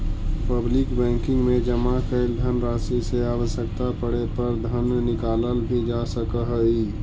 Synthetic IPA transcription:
pəblikbɛ̃ːŋkɪ̃ŋɡmẽd͡ʒəmakəɪld̪ʱənɾaːsiseaːwəsjəkt̪apəɽepəɾd̪ʱənnɪkaːləlbʱid͡ʒasəkəɦəi

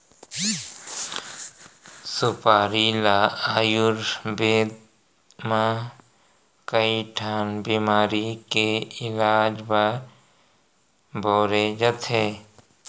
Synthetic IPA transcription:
sʊpaːɾilaːaːjʊɾbeːd̪̚ | mã | kəiʈʰaːnbiːmaːɾikeɪlaːd͡ʒbaɾ | bʱɔːɾed͡ʒət̪ɦeː

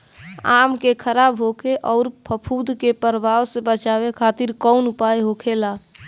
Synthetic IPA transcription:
a̰mkekʰəɾabɦokʰeʔɔːɾpʰəpʰud̪ʱkepəɾbʱawsebət͡ʃabekʰat̪iɾkɔʊnupajɦokʰela

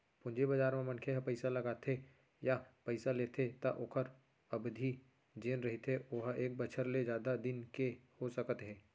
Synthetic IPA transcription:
pʊ̃ɲd͡ʒebɐd͡ʒaːɾmẽmɐ̃nkʰeɦpɛɪsalɐɡaːt̪ʰe | japɐɪsaleːt̪ʰet̪aʔoːkʰəɾ | ɐbd̪ʱi | d͡ʒeːnɾɐɦit̪eoːɦʔeːk̚bət͡ʃʰəɾled͡ʒjaːd̪ad̪ɪnkehosɐkət̪ɦɛ̃ː

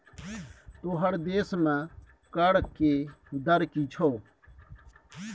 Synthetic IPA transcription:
t̪oːɦəɾd̪eːsmɛ̃ː | kəɽkːeːd̪əɾkiːt͡ʃʰoː

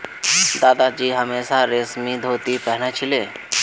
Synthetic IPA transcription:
d̪aːd̪ad͡ʒiːɦəmeːsaɾesmid̪ʱoːt̪ipɛɦɳ̃at͡ʃʰɪleː

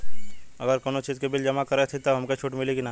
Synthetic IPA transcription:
ɐ̰ɡəɾkoːnot͡ʃizkebɪld͡ʒɐmakɐɾet̪ʰit̪ɐɦɐmket͡ʃʰuːʈmɪlekina

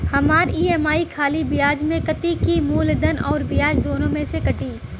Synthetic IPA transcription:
hɐmaːɾiːɛːmaːikʰaːlibɪjaːd͡ʒmẽkɐt̪ikimuːld̪ənɔːɾbɪjaːd͡ʒd̪oːnõmẽsekɐʈiː

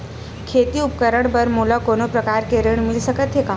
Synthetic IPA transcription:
kʰeːt̪iʊp̚kəɾəɳ̃pɐɾmuːlakoːnopɾɐkaːɾkeɾeɽ̃mɪlsɐkət̪ɦekaː

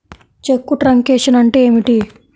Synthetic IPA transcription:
t͡ʃekːuʈɾɐŋkeːʂɐnɐɳʈe̞ːmiʈi

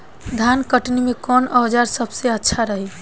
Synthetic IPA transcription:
d̪ʱankəʈnimekɔnəwd͡ʒaɾsəbseətːʃʰaɾəɦi

